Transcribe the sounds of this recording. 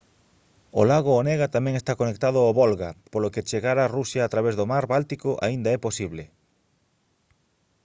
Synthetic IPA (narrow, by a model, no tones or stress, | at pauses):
olaɣ̞oonɛɣat̪amɛ̃ŋest̪akonek̚t̪aðʊaoβolɣapoloket͡ʃeɣaɾarusjaːt̪ɾaβezðomaɾβalt̪ikoʔa̰ind̪aɛposiβlɪ